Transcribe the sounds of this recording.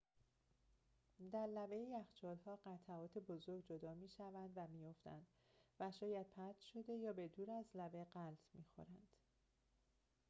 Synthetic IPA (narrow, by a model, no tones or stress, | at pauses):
d̪æɾlævejiæxt͡ʃʰɒːlhɒːɢæt̪ʰæɒːt̪ʰebo̞zo̞ɾɡ̚d͡ʒo̞d̪ɒːmiːʃævænd̪væmiːjo̞ft̪æ̰nd̪̥ | væʃɒːjæd̪̥̚pʰæt̪ʰʃo̞d̪e̞jɒːbe̞d̪uːɾæzlæveɢælt̪ʰmiːxo̞̰ɾænd̪̥